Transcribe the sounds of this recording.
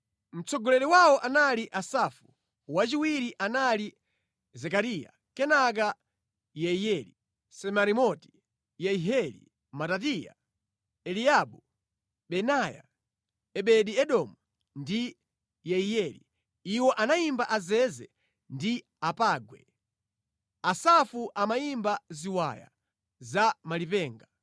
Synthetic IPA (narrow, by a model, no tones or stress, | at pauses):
m̩t͡sɔɡɔlɛɾiwawɔʔanaliʔasafu̥ | wat͡ʃiwiɾiʔanali | zɛkaɾija̰ | kɛnak̬a | jɛijɛli | sɛmaɾimɔti̥ | jɛiɦɛlḭ | matat̬ija̰ | ɛlijaɓu | ɓɛnaja̰ | ɛɓɛɗiɛɗɔmu | ndi | jɛijɛlḭ | iwɔʔanaimbaʔazɛzɛ̰ | ndi | apaːɡwɛ̰ | asafuʔamaimbaziwa̰ja̰ | zamalipɛːŋɡa